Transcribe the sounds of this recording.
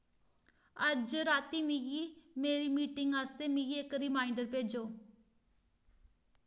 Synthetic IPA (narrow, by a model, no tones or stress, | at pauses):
əd͡ʒɾaːt̪iːmiɡimeːɾiːmiːʈɪŋɡaːst̪eːmĩːɡiːekɾɪmaːɪɳɖəɾpeːd͡ʒoː